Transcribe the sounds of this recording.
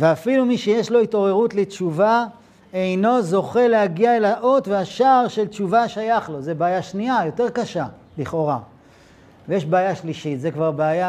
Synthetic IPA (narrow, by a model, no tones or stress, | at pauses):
veafilumiʃejeʃlo̞it̪o̞ʁe̞ʁut̪lett͡ʃuva | ejno̞zo̞χe̞lehaɡiaelaʔo̞t̪veaʃaʁʃe̞ltt͡ʃuvaʃajaχlo̞zebeːjaʃniajo̞te̞ʁkaʃa | liχo̞ʁa | vejeʃbeajaʃliʃit̪zekvaʁbeaja